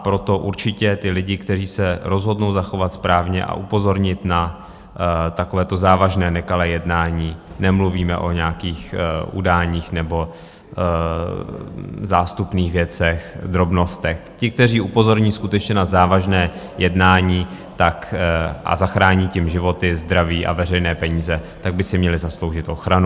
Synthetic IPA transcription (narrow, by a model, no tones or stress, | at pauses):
apɾo̞t̪o̞ʔuɾt͡ʃɪcɛt̪ɪlɪɟɪkt̪ɛriːsɛɾo̞zɦo̞dno̞wzaxo̞vat̪spɾaːvɲɛ̰ʔa̰ʔupo̞zo̞ɾɲɪt̪na | t̪akovɛːt̪o̞zaːvaʒnɛːnɛkalɛːjɛdnaːɲiːnɛmluviːmɛ̰ʔo̞̰ɲɛakiːxʔṵdaːɲiːxnɛbo̞ | zaːst̪upniːxvjɛt͡sɛxd̪ɾo̞bno̞st̪ɛxcɪk̚t̪ɛriːʔupo̞zo̞ɾɲiːskut̪ɛt͡ʃɲɛnazaːvaʒnɛː | jɛdnaːɲiː | t̪akʔa̰zaxɾaːɲicɪmʒɪvo̞t̪ɪzd̪ɾaviːʔa̰vɛrɛjnɛːpɛɲiːzɛt̪aɡ̚bɪsɪmɲɛlɪzaslowʒɪt̪ʔo̞xɾanu